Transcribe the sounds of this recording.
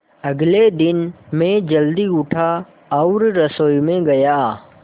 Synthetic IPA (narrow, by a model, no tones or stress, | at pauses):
ɐɡled̪ɪnmẽd͡ʒəld̪iʊʈʰa | ɔʊɾɾəsoːimẽɡɐjaː